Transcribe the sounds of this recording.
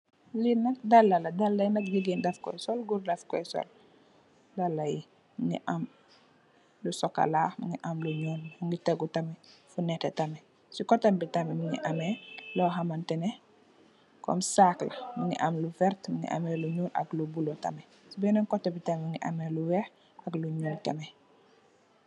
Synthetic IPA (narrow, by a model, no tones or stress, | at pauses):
linɐk̚dɐlːɐlɐdɐlːɐjnɐk̚ɡiɡindɐfkɔ̰jsɔlɡuɾdɐfkɔjsɔ̰l | dalːɐji | mŋɡḭʔam | lusɔkːa̰laːmuŋɡiʔamluɲɔːnmuŋɡitɛɡutɐmɛfunɛtɛtɐmɛ | sikɔtɐmbitɐmɛmiŋḭʔɐmɛlɔɦamɐntɛnɛ | kɔ̰msaklɐmiŋɡiʔɐmlufɛrtmiŋɡḭʔa̰mɛluɲuːnɐ̰klubulɔtɐ̰mɛ | sibɛnɐŋkɔtːɐbitamiŋɡiʔamɛluwɛh | ɐkluɲuːntɐmɛ